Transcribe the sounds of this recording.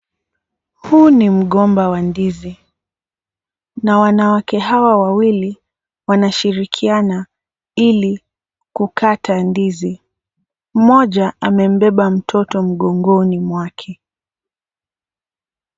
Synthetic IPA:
hunim̩ɠɔmbawandizi | nawanawakɛɦawawawili | wanaʃiɾikʰiana | ili | kukatʰandizi | m̩mɔʄaamɛm̩bɛɓam̩tʰɔtɔm̩ɠɔŋɡɔnimwakʰɛ

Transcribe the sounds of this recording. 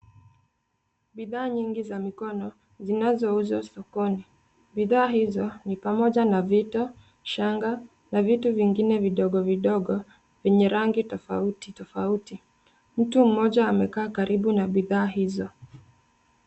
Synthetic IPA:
ɓiðaːɲiŋɡizamikɔnɔ | zinazɔuzɔsɔkɔni | ɓiðaːhizɔnipamɔʄanavitɔ | ʃaŋɡa | navituviŋɡinɛviɗɔɠɔviɗɔɡɔ | vɛɲɛɾaŋɡitɔfa̰uti̥tɔfauti | m̩tum̩mɔʄaːmɛkaːkaɾʔiɓunaɓiðaːhizɔ

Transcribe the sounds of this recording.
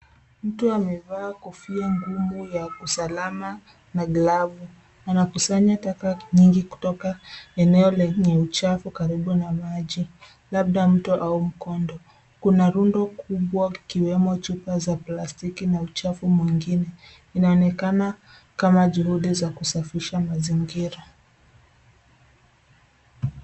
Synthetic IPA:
m̩tuamɛvaːkufiaŋɡumujausalama | naɡlavu | anakusaɲatakaɲiŋɡiku̥tɔkaɛnɛɔlɛɲɛut͡ʃafukaɾiɓunamaʄi | lab̚ɗam̩tuʔaum̩kɔndɔ | kunaɾundɔkuɓwaikiwɛmɔt͡ʃupazaplastikinaut͡ʃafumwiŋɡinɛ | inaɔnɛkana | kamaʄuhuɗizakusafiʃamaziŋɡiɾa

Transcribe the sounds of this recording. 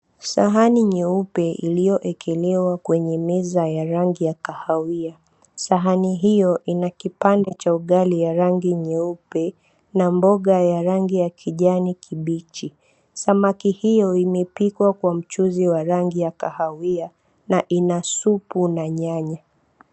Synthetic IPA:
sa̰ɦaniɲɛupɛʔḭlijɔʔɛkʰɛlɛwakwɛɲɛmɛzajaɾaŋɡijakahawia | saɦaniɦijɔʔinakipandɛt͡ʃauɠalijaɾaŋɡiɲɛupɛ | nambɔɠajaɾaŋɡijakʰiʄanikʰiɓit͡ʃi | samakihijɔimɛpikwakwam̩t͡ʃuziwaɾaŋɡijakahawia | naʔinasupunaɲaɲa

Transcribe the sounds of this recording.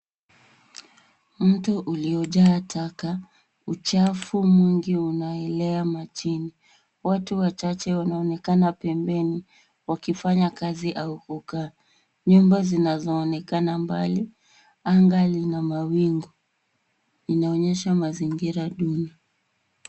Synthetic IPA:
m̩tuʔuliɔʄaːtʰaka | ut͡ʃafumiŋɡiunaɛlɛamat͡ʃini | watuwat͡ʃat͡ʃɛwanaɔnɛkanapɛmbɛni | wakifaɲakaziʔaukuka | ɲumbazinazɔːnɛkanamba̰li | aŋɡalinamawiŋɡɔ | inaɔɲɛʃamaziŋɡiɾaɗunia

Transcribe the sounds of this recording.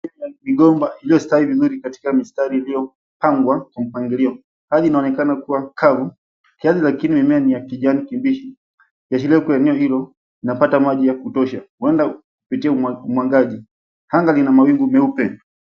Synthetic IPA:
namiɡɔmbailijɔstaivizuɾikati̥kamistaɾiilijɔ | paŋɡwakwam̩paŋɡiliɔ | haðiːnaɔnɛkanakuwakʰavu | kiaðilakinimimɛanijakiʄanikimbiʃi | jaʃ̬ilɛkuɛnɛɔhilɔ | inapatamaʄijakutɔʃauɛndakupitiɛuumwaŋɡaʄi | haŋɡalinamawiŋɡumɛupɛndu

